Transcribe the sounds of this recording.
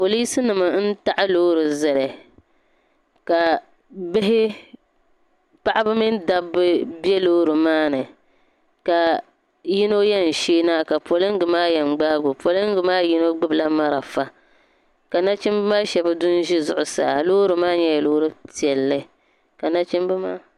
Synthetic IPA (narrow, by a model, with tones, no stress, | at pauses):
po˨li˦sɨ˦nɨ˨ma˨˦n̩˦ta˦ʔa˦loː˦ɾɨ˨zɛ˨lɛ˨ | ka˨ | bɪ˦ɦɪ˦ | pa˦ʔa˦bɨ˦mi˦nda˦bɨ˦bɛ˦loː˦ɾɨ˨maː˦nɨ˨ | ka˨ | ji˦no˦jɛ˦n̩˨ʃiː˦naː˦ka˨po˨lɨ˦ŋ˦ɡɨ˨maː˦jɛ˨ŋ͡mɡ͡baː˦ɡʊ˨po˨lɨ˦ŋ˦ɡɨ˨maː˦ji˦no˦ɡ͡bɨ˦bɨ˨la˦ma˦ɾa˨fa˦ | ka˨na˦t͡ʃɪ˦mbɨ˦maː˦ʃɛ˨bɨ˦dʊ˦n˦ʒi˦zʊ̰˨ʔʊ˨sa̰ː˨loː˦ɾɨ˨maː˦ɲɛ˦jloː˦ɾɨ˦ti˨ɛ˨lːɨ˦˨ | ka˨na˦t͡ʃi˦mbɨ˦maː˦